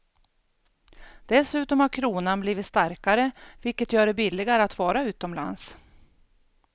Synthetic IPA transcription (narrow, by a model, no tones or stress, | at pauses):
d̪̥ɛsʉ̟ːt̪ɔmhaɾkʰɾuːnanbliːvɪt̪st̪aɾkaɾəvɪlkət̪jœːɖɛbɪlːɪɡaɾəat̪vɑːɾaʉ̟ːt̪ɔmla̰ns